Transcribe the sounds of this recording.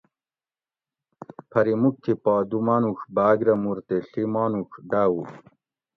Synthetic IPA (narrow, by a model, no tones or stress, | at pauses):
pʰɐɾimuk̚tʰipaːd̪umaːnuxbaːɡɾɐmuɾt̪eɬimaːnukɖaːwu